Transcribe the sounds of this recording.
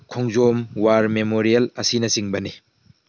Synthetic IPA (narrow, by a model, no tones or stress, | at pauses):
kʰɔŋzomwaɾmemoɾielɐsinɐsiŋbɐni